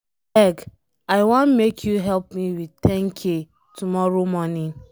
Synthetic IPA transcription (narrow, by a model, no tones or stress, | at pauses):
ɛɡ | aɪwãnmekʰjuɦɛlpmiwitɛ̃ŋkʰe | tumɔɹomɔnĩn